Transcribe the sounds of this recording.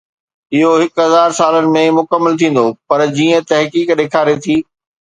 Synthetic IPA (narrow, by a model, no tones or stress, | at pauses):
ɪɦoɦɪkɦɐzaːɾsaːlənɪ̆mẽmʊkəmːəlt̪ʰĩːn̆d̪opɐɾd͡ʑiːə̃t̪ɐɦkiːkɗeːkʰaːɾet̪ʰiː